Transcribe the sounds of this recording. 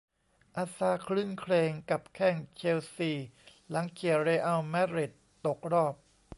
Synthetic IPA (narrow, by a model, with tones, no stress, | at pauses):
ʔaː˧saː˧˥kʰlɯ˥˩˨ŋkʰleː˧ŋka˨˩p̚kʰɛ˥˩ŋt͡ɕʰeː˧wsiː˧˨˩la˩˦ŋkʰi˨˩əɾeː˧ʔa˧wmɛ˦˥ɾi˨˩t̪ːo˨˩k̚ɾɔː˥˩p̚